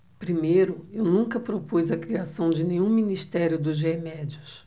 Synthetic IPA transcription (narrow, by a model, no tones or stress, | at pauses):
pɾimejɾʊewnũkɐpɾopujzɐkɾiasɐ̃w̃d͡ʒɪnẽɲũminist̪ɛɾjʊd̪ʊzʒemɛd͡ʒiʊs